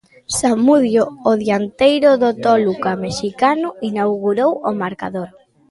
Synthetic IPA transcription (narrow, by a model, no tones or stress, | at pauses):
samuðjoːðjant̪ejɾʊðot̪ɔlukameʃikanʊinawɣuɾowomaɾka̰ðoɾ